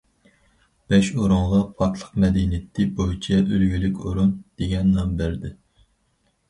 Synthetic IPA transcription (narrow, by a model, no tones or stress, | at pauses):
b̥ɛʃoɾuɴʁɑpʰɑɾt̪ʰlˠəqmɛd̪inɪt̪ʰːɪbojit͡ʃʰɛʔølɡʲylykʲoɾund̪̥eɡʲɛnːɑmbæɾd̪ɪ